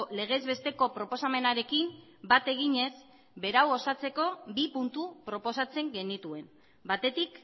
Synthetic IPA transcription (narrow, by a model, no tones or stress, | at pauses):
le̞ɣ̞e̞zβe̞st̪e̞ko̞pɾo̞po̞same̞naɾe̞kimbat̪e̞ɣ̞iɲe̞z | be̞ɾawo̞sat͡se̞ko̞bipunt̪upɾo̞po̞sat͡se̞ŋɡe̞nit̪ue̞m | bat̪e̞t̪ik